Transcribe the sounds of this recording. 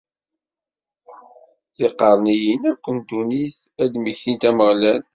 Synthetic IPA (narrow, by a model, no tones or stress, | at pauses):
θiqːɑɾˤnijinæɾkʷːənd̪uniθ | æd̪miçint̪æməʁlæn